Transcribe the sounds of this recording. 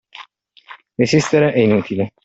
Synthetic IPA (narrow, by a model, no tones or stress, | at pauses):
ɾesist̪eɾeʔeinut̪ile